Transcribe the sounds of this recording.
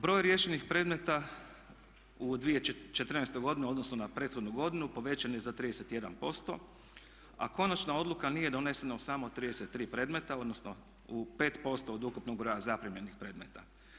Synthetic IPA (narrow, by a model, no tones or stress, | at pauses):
bɾo̞ːjɾje̞ʃenixpɾe̞d̪me̞t̪a | ud̪ʋije̞t͡ʃe̞t̪r̩nejst̪ojɡo̞d̪ineo̞d̪no̞snonapɾe̞ːt̪xod̪nuɡo̞d̪inupo̞ʋe̞t͡ɕanoezat̪ɾiːd̪eset̪je̞d̪a̰npo̞st̪o̞̰ | a̰ko̞nat͡ʃnao̞d̪lˠukanije̞d̪o̞ne̞senausamo̞t̪ɾiːd̪ese̞t̪ːɾiːpɾe̞ːd̪me̞t̪ao̞d̪nosno | upe̞ːt̪po̞st̪o̞ːd̪ukupnoɡ̚bɾo̞jazapɾimje̞nixpɾe̞ːd̪me̞t̪a̰